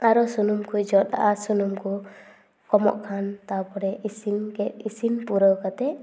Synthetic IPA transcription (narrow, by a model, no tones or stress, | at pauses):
aɾɔsunumkujd͡ʒɔt̪a̰ʔasunumku | kɔmɔ̰ʔkʰant̪awpɔɽɛʔisimkɛt̪̚isinpuɾɔwkat̪ɛ